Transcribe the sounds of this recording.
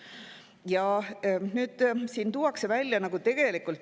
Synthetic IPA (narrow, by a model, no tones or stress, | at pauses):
jɑnyːd̪̥siːnt̪uwɑkse̞vælʲjɑnɑɡ̥ut̪e̞ɡ̥e̞likult̪ːˑ